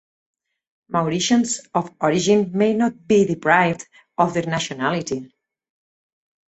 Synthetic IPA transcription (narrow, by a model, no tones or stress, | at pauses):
mawɾiʃɔ̃nsɔfɔɾid͡ʒĩnmejnɔt̪̚biðipɹajvd | ɔvðəɾnaʃɔnaliti